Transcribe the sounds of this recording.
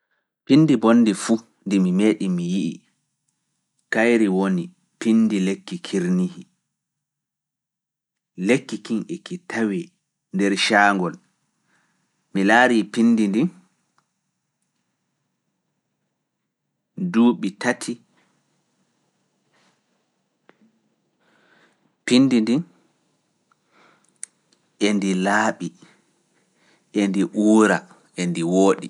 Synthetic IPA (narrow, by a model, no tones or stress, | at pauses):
pinːdibonːdifu | ndimimeːɗimijiʔḭ | kajɾiwoni | pindilekːikʰiɾnihi | lekːikiŋʔɛkitʰawi | ndɛɾʃaːŋɡɔl | milaːɾipinːdindi | duːɓitʰatʰi | pindindin | ʔendilaːɓi | ʔendiʔuːɾa | ʔendiwoːɗi